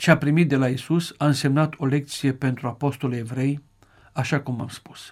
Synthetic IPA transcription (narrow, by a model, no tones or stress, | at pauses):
t͡ʃapɾimit̪̚d̪e̞laisusaɨnse̞mnat̪ʰo̞le̞k̚t̪sije̞pe̞nt̪ɾuapo̞st̪o̞levɾe̞j | aʃakuma̰mspu̥s